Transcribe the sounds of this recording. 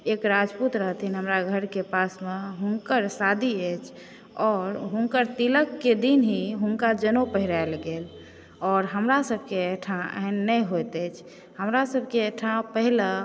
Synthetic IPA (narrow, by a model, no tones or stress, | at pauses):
ekɾad͡ʒput̪ɾəɦət̪ʰinɦəmɾaɡʱəɾkepasmeɦuŋkəɾsad̪ʱiəjt͡ʃʰ | ɔːɾɦũŋkəɾt̪iləkːed̪inɦiɦuŋkad͡ʒənopəɦiɾaelɡel | ɔːɾɦəmɾasəb̚ʱkeeʈʰãə̰ɦnːəjɦojt̪ɛjt͡ʃʰ | həmɾasəbʱkeeʈʰãpəɦilə